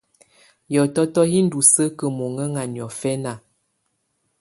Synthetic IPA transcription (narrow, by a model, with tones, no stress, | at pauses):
jɔ˨tɔ˦tɔ˦hi˦n̩˦du˨sə˦kə˨mo˨ŋə˦ŋa˨njɔ˨fɛ˦na˨